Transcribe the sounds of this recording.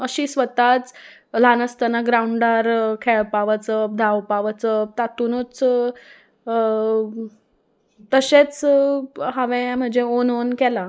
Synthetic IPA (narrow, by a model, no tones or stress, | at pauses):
əɕiːsʋət̪at͡s | lanəst̪ənaɡɾauɳɖaɾkʰɛɭpaʋət͡səd̪ʱaʋpaʋət͡sət̪at̪unut͡s | t̪əɕet͡s | ɦaʋẽm̤əɳd͡zeononkɛla